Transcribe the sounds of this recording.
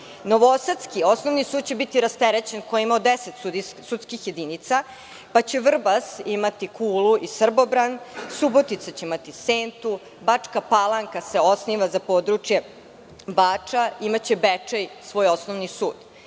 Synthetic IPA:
noʋoosat̪skio̞snoʋnisuːd̪̥̚t͡ɕebit̪iɾast̪eɾet͡ɕenkojeimaod̪eset̪usut̪skixje̞d̪init̪sa | pat͡ɕeʋr̩basimat̪ikʰuːluʔisr̩bo̞bɾansubot̪it̪sat͡ɕeimat̪iseːnt̪u | bat͡ʂkapalˠaŋkaseo̞sniːʋazapod̪ɾut͡ʂje̞ | baːt͡ʂaimat͡ɕebet͡ʂejsʋo̞josnoʋnisuːd̪̥

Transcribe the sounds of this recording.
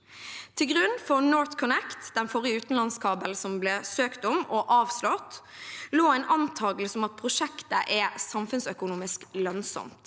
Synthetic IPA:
t̪ʰɪlɡʁʉnfɔʁnɔːɹt̪kʰʊnɛkt̪d̪ɛnfɔʁɪəʉːt̪n̩lɑnskʰɑːbəlsɔmblɛsøːkt̪ʊmɔʔɑːʋslɔt̪loːæɪnʔɑnt̪ʰɑːɡəlsɔmɑt̪̚pʰʁʊʃɛkt̪əʔɛsɑmfʉnsœkʊnuːmɪsklœnsɔ̰mt̪

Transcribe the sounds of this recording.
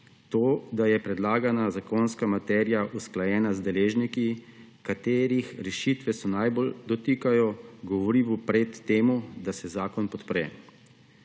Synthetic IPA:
t̪oːd̪ajɛpɾɛd̪laːɡanazakoːnskamat̪ɛːɾjaʔusklajɛːnazd̪ɛleːʒniki | kat̪eːɾixɾɛʃit̪ʋɛsɔnajbold̪ɔt̪ikajɔɡɔʋɔɾiʋupɾɛt̪ːeːmud̪asɛzaːkɔnpɔt̪pɾɛ̰

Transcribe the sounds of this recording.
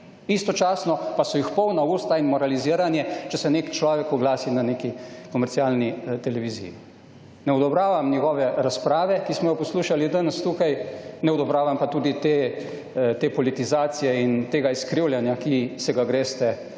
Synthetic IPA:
ist̪ɔt͡ʃaːsnɔpasɔjixpɔwnauːst̪ainmɔɾaliziːəɾanjɛt͡ʃɛsɛneːkt͡ʃlɔːʋɛkɔɡlaːsinaneːkikɔmɛɾt̪sialnit̪ɛlɛʋiːzḭjḭ | nɛɔd̪ɔbɾaːʋamnʲɛɡɔːʋɛɾaspɾaːʋɛkismɔjɔpɔsluːʃalid̪ənəst̪ukajnɛɔd̪ɔbɾaːʋampat̪uːd̪it̪e | t̪eːpɔlit̪izaːt̪sijɛint̪eːɡaiskɾiwljɛnjakisɛɡaɡɾeːst̪ɛ

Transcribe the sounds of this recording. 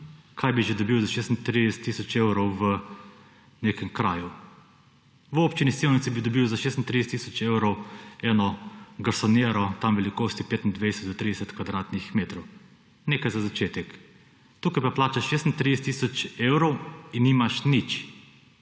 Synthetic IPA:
kʰajbiʒɛd̪ɔbiwzaʃeːst̪nt̪ɾid̪ɛsɛ̥t̪ːisɔt͡ʃewɾɔwʋə | neːkɛmkɾaːju | ʋoːpt͡ʃinisiwnit̪sibid̪ɔbiwzaʃeːst̪nt̪ɾidɛsɛt̪ːisɔt͡ʃewɾɔwɛːnɔɡaɾsɔnjeːɾɔt̪amʋɛlikoːst̪ipeːt̪nd̪ʋed̪ɛsɛt̪d̪ɔt̪ɾiːd̪ɛsɛt̪kʋad̪ɾaːt̪nixmeːt̪ɾow | neːkajzazat͡ʃeːt̪ɛk | t̪uːkajpaplaːt͡ʃaʃeːst̪nt̪ɾid̪ɛsɛt̪ːisɔt͡ʃewɾowinːimaʃnit͡ʃ

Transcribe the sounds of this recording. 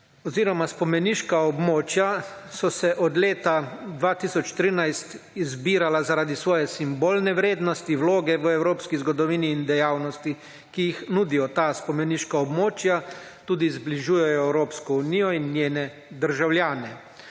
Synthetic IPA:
ɔziːɾɔmaspɔmɛniʃkaɔbmoːt͡ʃjasɔsɛʔɔd̪leːt̪ad̪ʋaːt̪isɔt͡ʃt̪ɾiːnajst̪ | izbiːɾalazaɾaːd̪isʋɔːjɛsimboːlnɛʋɾeːd̪nɔst̪iwloːɡɛʋəɛwɾoːpskizɡɔd̪ɔʋiːniːnd̪ɛjaːwnɔst̪i | kijixnuːd̪ijɔt̪aːspɔmɛniːʃkaɔbmoːt͡ʃja | t̪uːd̪izbliʒuːjɛjɔɛwɾoːpskɔuniːjɔinːjeːnɛ | d̪əɾʒawlʲjaːnɛ

